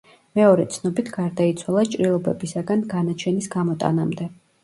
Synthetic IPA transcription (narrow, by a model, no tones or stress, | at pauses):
mɛɔɾɛt̪sʰnɔbit̪ʰɡaɾd̪ait̪sʰwalˠat͡ʃʼɾilˠɔbɛbisaɡanɡanat͡ʃʰɛnisɡamɔt̪ʼa̰namd̪ɛ